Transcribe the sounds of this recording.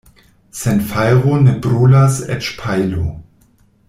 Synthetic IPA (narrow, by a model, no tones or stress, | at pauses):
senfajʁonebɾulasḛt͡ʃpʰajlo̰